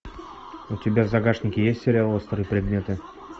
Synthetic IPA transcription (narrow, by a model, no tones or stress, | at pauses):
ʊtʲɪbʲavzɐɡaʂnʲɪkʲɪjesʲtʲsʲɪɾʲalˠost̪ɾɨipɾʲɪd̪mʲe̞t̪ɨ